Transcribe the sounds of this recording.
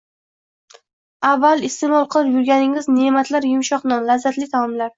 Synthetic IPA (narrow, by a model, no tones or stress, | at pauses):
avːalˠɪst̪emɒlˠqʰɨlˠpjʊɾɡʲanɪŋɪznemat̪ʰlaɾjʊmʃɒqnɒnlazːat̪lɪt̪ʰamɒmlaɾ